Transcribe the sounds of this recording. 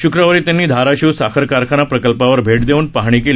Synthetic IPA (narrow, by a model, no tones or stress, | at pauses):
ɕukɾəʋəɾiːt̪janːiːd̪ʱaɾaɕiwsakʰəɾkaɾkʰaɽ̃apɾəkəlpaʋəɾbʱeʈd̪euːnpaɦɳ̃iːkeli